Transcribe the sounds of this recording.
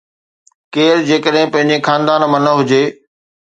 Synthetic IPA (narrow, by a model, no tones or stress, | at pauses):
keːɾd͡ʑeːkəɗɦɪ̃pɐ̃ɦɪ̃ɲd͡ʑexaːnd̪aːnmɐnəɦʊd͡ʑeː